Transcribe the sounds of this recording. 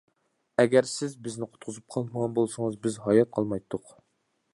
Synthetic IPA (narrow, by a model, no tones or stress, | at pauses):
ɛɡʲæɾsɪzbɪznɪqʰʊ̥t̪̚qʰʊzup̚qʰɑlˠməʁɑnbolˠsɨŋəzbɪzɦɑjɑt̪̚qʰɑlˠmɑjt̪ʰːʊq